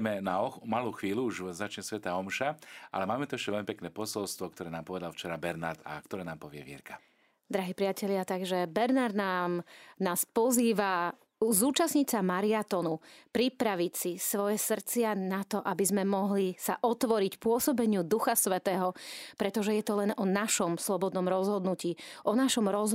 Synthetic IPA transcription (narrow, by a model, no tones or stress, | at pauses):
mɛnaɔmaluːxʋiːluuʒzat͡ʃɲɛsʋɛt̪aɔmʃaʔa̰lɛmaːmɛt̪uɛʃcɛʋɛlmipɛknɛːpɔsɔlst̪ʋɔk̚t̪ɔɾɛːnaːmpɔʋɛd̪alft͡ʃɛɾabɛɾnaɾt̪a̰kt̪ɔɾɛːnaːmpɔʋɪɛ̰ʋjɛ̰ɾkʰḁ | d̪ɾaɦiːpɾɪacɛʎɪat̪aɡʒɛbɛɾnaɾd̪naːmnaːspɔziːʋa | zuːt͡ʃasɲit͡samaɾiat̪ɔnupɾipɾaʋicsisʋɔjɛsr̩t͡sɪanat̪ɔʔabizmɛmɔɦlisaʔɔt̪ʋɔɾicpʊɔsɔbɛɲɪud̪uxasʋɛt̪ɛːɦɔpɾɛt̪ɔʒɛjɛt̪ɔlɛnɔnaʃɔmslɔbɔd̪nɔmɾɔzɦɔd̪nuciːʔɔnaʃɔmɾɔz